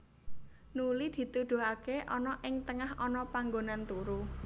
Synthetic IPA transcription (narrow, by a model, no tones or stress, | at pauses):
nulid̪̥i̤t̪ud̪̥ṳɦakeʔɔnɔʔɪŋt̪əŋahɔnɔpaŋɡonant̪uɾu